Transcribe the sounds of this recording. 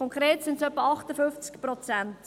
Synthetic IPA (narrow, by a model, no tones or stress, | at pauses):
ɔŋkɾeːtsɪntsœpːəɑχtəfʏft͡skprɔt͡sɛnt